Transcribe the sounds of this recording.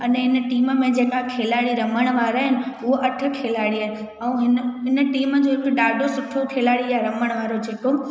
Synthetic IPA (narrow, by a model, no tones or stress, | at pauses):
ɐnɦɪnəʈiːməmẽd͡ʑẽɦŋkʰakʰeːlaːɽiɾɐməɽ̃ʋaːɾaːɦɪnɪ̆ʊɦoʔɐʈʰə̆kʰeːlaːɽiaːɦɪnɪ | ɛũɦɪnəɦɪnəʈiːməd͡ʑoːɦɪkʊɗaːɖʱosʊʈʰokʰeːlaːɽijaɾɐməɽ̃ʋaːɾod͡ʑɪʈo